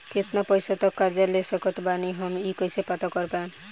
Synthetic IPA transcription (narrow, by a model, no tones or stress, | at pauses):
kɪt̪napəjsat̪ɔkːaɾd͡ʒalesəkɔt̪baniɦəmikəjsepat̪akɔɾpan